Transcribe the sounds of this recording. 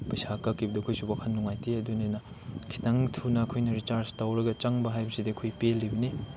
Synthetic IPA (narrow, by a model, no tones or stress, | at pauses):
pɐjsakɐkːibɐdɐkʰujsubakʰɐnːuŋajtiɐdunenɐ | kʰi̥taŋtʰunɐkʰojnɐɾit͡ʃaɾstawɾɐɡɐt͡ʃaŋbɐɦajbɐsidikʰujpelːibɐni